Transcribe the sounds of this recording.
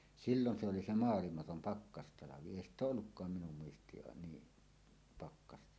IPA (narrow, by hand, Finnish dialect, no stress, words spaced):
silːon se oli se moɑlimɑtom pɑkːɑstɑlɑʋi eˑi st oːʔ ʔolːukːɑːm minum muistˑiːn niː pɑkːɑstɑ